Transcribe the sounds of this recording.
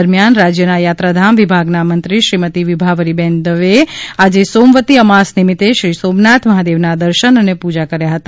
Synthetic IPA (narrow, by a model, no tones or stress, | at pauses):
əɾmijanɾad͡ʒjənajat̪ɾad̪ʱamʋibʱaɡnamənt̪ɾiʃɾimət̪iʋibʱaʋəɾibɛnd̪əʋead͡ʒesomʋət̪iəmasnimit̪eʃɾisomnat̪ʰməɦad̪eʋnad̪əɾʃənənepud͡ʒakəɾjaɦət̪